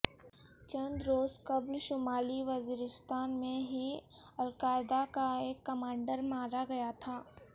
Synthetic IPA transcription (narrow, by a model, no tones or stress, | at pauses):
t͡ʃɐ̃nd̪ɾoːzkɐblʃʊmaːliʋɐziːɾɪst̪ʰaːnmẽɦiɐlkaːɪd̪akaeːkːɐmãːɳɖəɾmaːɾaɡɐjat̪ʰaː